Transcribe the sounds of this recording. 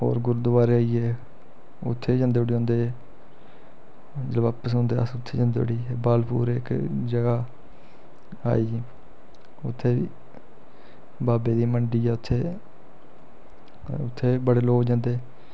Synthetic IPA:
ɦo̰ːɾɡʊɾd̪ʊʋaːɾeaːiːeː | ʊt̪ʰːeːd͡ʒãnd̪eːəɽiːɦõːnd̪eː | d͡ʒlʋaːpəsõnd̪eːəsʊt̪ʰːeːd͡ʒə̃nd̪eːəɽiːbaːlpʰṵːɾekd͡ʒəɡaː | a̰ːiː | ʊt̪ʰːeːiː | baːbeːd̪iːməɳɖiːaːʊt̪ʰːeː | ʊt̪ʰːeːbəɽeːloːd͡ʒãːnd̪eː

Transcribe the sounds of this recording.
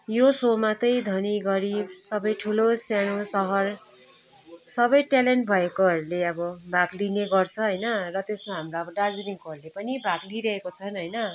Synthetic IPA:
josomat̪ʌjd̪ʱʌniɡʌɾibsʌbʌjʈʰulosjanosʌɦʌr | sʌbʌjʈaleɳʈ̚bʱʌekoɦʌɾuleʌbʌbʱaɡlineɡʌrt͡sʰʌɦʌjnʌrʌt̪esmaɦamraʌbʌɖad͡zliŋkoʌɾulepʌnibʱaɡliɾʌekot͡sʰʌnɦʌjnʌ

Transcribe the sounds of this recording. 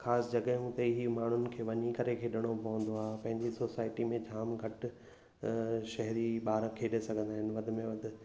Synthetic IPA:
xaːsɪd͡ʑɐɠəũt̪eɦimaːɳ̤ʊnɪ̆kʰeːʋɐɲikɐɾekʰeːɗɪɽ̃opɐʋə̃nd̪oaːpɐ̃ɦɪ̃ɲd͡ʑisoːsaːɪʈimẽd͡ʑʱaːmɡʱɐʈ | ʃɛɦɾiɓaːɾkʰeːɗesɐɡʱə̃nd̪aːɦɪnɪ̆ʋɐd̪ʱɪ̆mẽʋɐd̪ʱɪ̆

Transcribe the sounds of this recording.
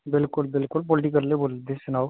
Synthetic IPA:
bɪlkʊlbɪlkʊlpɔːlʈ̬ikɐɾleboːld̪ẽsʊnaːo

